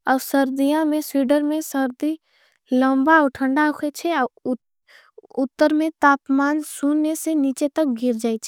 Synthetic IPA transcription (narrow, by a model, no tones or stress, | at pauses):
ɔːsəɾd̪ijãmẽsiːɖəɾmẽsəɾd̪i | lə̃mbaɔʈʰə̃ɳɖaɦʊkʰet͡ʃʰɛ | ʊt̪ːəɾmẽt̪aːpmaːnsunːeseniːt͡ʃet̪ək̚ɡʱɪɾd͡ʒaːit͡ʃʰe